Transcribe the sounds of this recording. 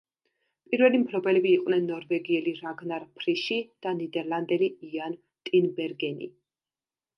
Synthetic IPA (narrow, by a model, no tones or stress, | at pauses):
pʼiɾvɛlimpʰlɔbɛlɛbiːqʼwnɛnːɔɾvɛɡiɛliɾaɡnaɾpʰɾiʃid̪̥anid̪ɛɾlˠand̪ɛliian | t̪ʼinbɛɾɡɛnḭ